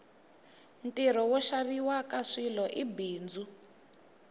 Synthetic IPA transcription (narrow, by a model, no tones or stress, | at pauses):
ntʼiɾɔwɔʃaβiwakaʂilɔʔibiːnd͡zʱu